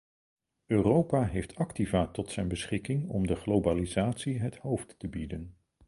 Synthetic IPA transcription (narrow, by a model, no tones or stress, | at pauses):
øːrowpaːɦejftʰɑktivaːtɔtsɛjnbəsχɪkɪŋɔ̰mdəχlowbalizaːtsiɦəthowftːəbidən